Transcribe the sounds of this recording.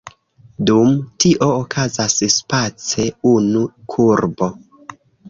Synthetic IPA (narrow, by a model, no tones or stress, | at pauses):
dumtiʔo̞ːkʰazasspat͡se̞unukʰuɾbo̞